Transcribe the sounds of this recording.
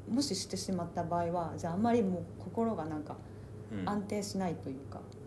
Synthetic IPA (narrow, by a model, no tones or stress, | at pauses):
mo̞ɕiɕi̥t̪e̞ɕimat̪ːabaːiβad͡ʑaːamːaɾʲimo̞ːkʰo̞ko̞ɾo̞ɡanãŋka | ãnt̪e̞ːɕinait̪o̞jɯ̟ːka̰